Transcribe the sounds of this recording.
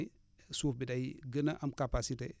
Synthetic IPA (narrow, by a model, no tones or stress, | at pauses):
suːfbidajɡənaʔɐmkapasiteː